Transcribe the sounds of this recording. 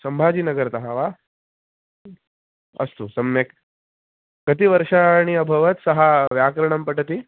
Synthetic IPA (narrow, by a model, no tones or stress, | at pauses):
səmbʱad͡ʑiːnəɡəɾt̪əɦaʋa | ə̰st̪usəmjek | kət̪iːʋəɾʂaɽ̃iəbʱəʋət̪səɦaʋjakɾəɳ̃əmpəʈət̪i